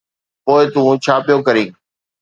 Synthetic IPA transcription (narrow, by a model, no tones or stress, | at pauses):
poːɪt̪ũːt͡ɕʰaːpɪjoːkəɾĩː